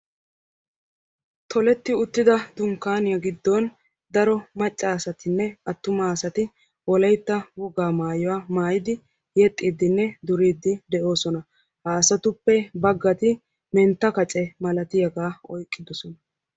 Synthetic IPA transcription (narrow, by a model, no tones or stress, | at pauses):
t̪ʰɔlɛt̪ːɪʊt̪ːɪd̪ɐd̪ʊŋkːaːnɪjɐɡɪd̪ːɔn | d̪ɐɾɔmɐt͡ʃʼːaːsɐt̪ɪnːɛɐt̪ːʊmaːsɐt̪ɪ | wɔlɐjt̪ːɐwɔɡaːmaːjɔwaːmaːjɪd̪ɪ | jɛt̪ʼːiːd̪ːɪnːɛd̪ʊɾiːd̪ːɪd̪ɛʔo̞ːsɔnɐ | haːsɐt̪ʊpːɛbɐɡːɐt̪ɪ | mɛnt̪ːɐkɐt͡ʃʼɛmɐlɐt̪ɪjɐɡaːɔjkʼːɪd̪ɔsɔnɐ